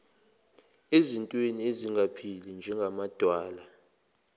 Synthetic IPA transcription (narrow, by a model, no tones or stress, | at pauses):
ezintʼwenieziŋɡapʰilind͡ʒʱɛŋɡʱamad̥ʱwaːla